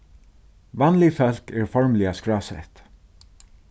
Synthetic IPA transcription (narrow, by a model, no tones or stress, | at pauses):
vanlɪfœl̥kæːɹfɔɹmlɪaskɹaːsɛ̰ht̪